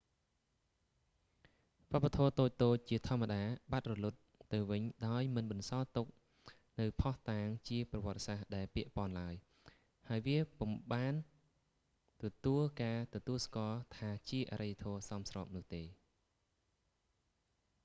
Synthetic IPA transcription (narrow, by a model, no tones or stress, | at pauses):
ʋə̆pːat̪ʰoːt̪oːc̚t̪oːc̚t͡ɕiət̪ʰŏəməɗaːɓat̪̚rɔlut̪̚ːɨwʋɨɲɗaɔjmɨnɓɑnsɑːt̪uk̚ | nɨwpʰɑht̪aːŋt͡ɕiəprɑʋŏət̪̚ːe̥sahɗaɛlpiəʔpŏənlaəj | haəjʋiəpumɓaːn | t̪ɔt̪uəlkaːt̪ɔt̪uəlskoəlt̪ʰaːt͡ɕiəʔa̰ːɾəjːat̪ʰoːsɑmsrɑːp̚nʊ̆əht̪eː